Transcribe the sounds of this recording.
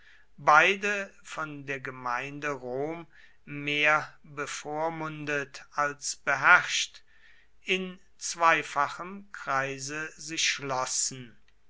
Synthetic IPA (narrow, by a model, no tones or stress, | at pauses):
baɪdəfɔndeːɐɡəmaɪndəʁoːmː | eːɐbəfoːɐmʊndətalsb̥əɦɛʁʃt | ɪn | t͡sv̥aɪfaχəmkʁ̥aɪzəzɪʃʃlɔsn̩